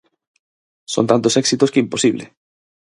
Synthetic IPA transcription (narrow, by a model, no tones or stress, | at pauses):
so̰nt̪ant̪osɛksit̪oskeimposiβlḛ